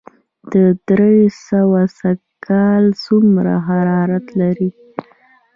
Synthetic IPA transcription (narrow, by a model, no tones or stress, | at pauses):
d̪̥əd̪ɾesəwasa | kʰɑlsumɾa̰ɦaɾɑɾat̪laɾi